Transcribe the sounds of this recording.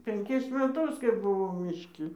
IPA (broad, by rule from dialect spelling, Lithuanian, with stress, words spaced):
pʲɛŋʲˈkʲɪs mʲɛˈtʊs kɐɪ bʊˈʋɐʊ mʲɪʃʲˈkʲɪ